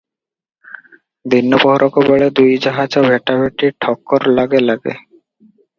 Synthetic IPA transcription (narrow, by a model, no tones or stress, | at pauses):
d̪inːopɔɦoɾɔkobeɭed̪ujd͡ʑaɦad͡ʒobʱeʈabʱeʈiʈʰɔkːoɾlaɡelaɡḛ